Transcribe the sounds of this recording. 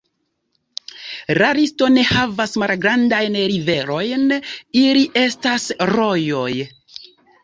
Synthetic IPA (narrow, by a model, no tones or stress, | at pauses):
ɾaɾisto̞ne̞havasmalɡɾandajnɾive̞ɾo̞jniliʔe̞stasɾo̞jo̞j